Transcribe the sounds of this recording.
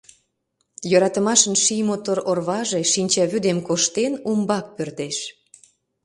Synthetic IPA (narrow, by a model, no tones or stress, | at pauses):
jøɾɑt̪əmɑʃənʃijmot̪oɾorβɑʒeʃinʲt͡ɕɑβyd̪emkoʃt̪enumbɑk̚pørd̪eʃ